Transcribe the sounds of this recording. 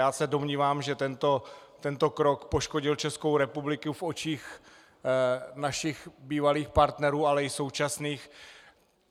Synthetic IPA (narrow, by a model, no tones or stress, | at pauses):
jaːsɛdo̞mɲiːvaːmʒɛt̪ɛnt̪ot̪ɛnt̪o̞kɾo̞kpo̞ʃkoɟɪlt͡ʃɛsko̞wɾɛpublɪkufʔo̞t͡ʃiːx | naʃɪxbiːvaliːxpaɾt̪nɛɾuːalɛɪso̞wt͡ʃasniːx